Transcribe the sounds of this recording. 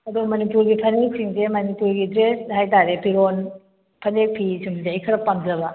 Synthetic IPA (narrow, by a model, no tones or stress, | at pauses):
ɐdumɐnipuɾɡipʰɐnek̚siŋsemɐnipuɾɡidɾeshajtaɾepiɾon | pʰɐnek̚pʰisumzajkʰɐɾɐpːamd͡ʒɐbɐ